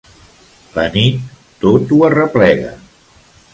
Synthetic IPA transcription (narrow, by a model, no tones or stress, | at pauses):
lənit̪ː | ot̪uərəplɛɣə̰